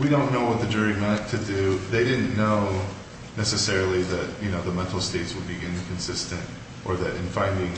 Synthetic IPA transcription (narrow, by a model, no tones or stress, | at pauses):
wiɾõʊ̃nːoʊwʌt̪̚ðɨd͡ʒɜ˞imæt̚tʰɨdʉðeɪɾɪdⁿn̩ːoʊ | nɛsɨsɛɹl̩ˠiðɨt̚jɨñoʊðəmɛ̃ntˡl̩ˠsteɪtswəd̚biʔɪ̃nkʰɨ̃nsɪstɨ̃nt | ʔə˞ðɨɾʔɨ̰̃nfãɪ̃ndɪ̃ŋ